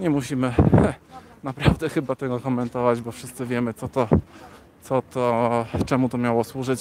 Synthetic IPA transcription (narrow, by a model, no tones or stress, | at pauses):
ɲɛmuɕimɘ | napɾavd̪ɛxɘbat̪ɛɡɔkɔmɛnt̪ɔvad͡ʑbɔfʂɘst̪sɘvʲjɛmɘt̪sɔt̪ɔ | t̪sɔt̪ɔt͡ʂɛmut̪ɔmʲjawɔswuʐɘt͡ɕ